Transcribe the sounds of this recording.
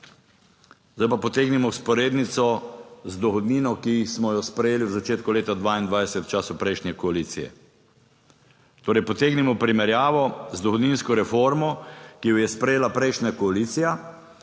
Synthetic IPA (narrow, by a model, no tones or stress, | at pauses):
zaopapɔt̪eːɡnimɔwspɔɾeːd̪nit̪sɔzd̪ɔxɔd̪niːnɔkismɔjɔspɾɛjeːliwzat͡ʃeːt̪kuleːt̪ad̪ʋaːind̪ʋajsɛt̪wt͡ʃaːsupɾɛjʃnʲɛkɔaliːt̪sijɛ̰ | t̪oːɾɛjpɔt̪eːɡnimɔpɾimɛɾjaːʋɔzd̪ɔxɔd̪niːnskɔɾɛfoɾmɔkijɔjɛspɾɛjeːlapɾɛjʃnʲakɔaliːt̪sija